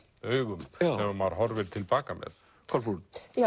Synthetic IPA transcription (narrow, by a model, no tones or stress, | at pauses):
œːɥɣʏmɛmamaðɾɦɔɾvɛɾt̪ʰɪlpaːkamɛ̰ð | kʰalfuja